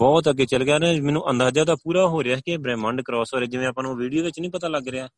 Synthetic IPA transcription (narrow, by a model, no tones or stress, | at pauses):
bɔːt̪əɡeːt͡ʃəlɡaːɾmɛːnũːʔənd̪aːd͡ʒaːd̪aːpuːɾaːɦoːɾeaːkebɾɛ̃ːmə̃ɳɖkɾɔːsoːɾeːd͡ʒɪʋẽːəpãːnoːʋiːɖijoːɪt͡ʃnĩːpət̪aːləɡɾeaː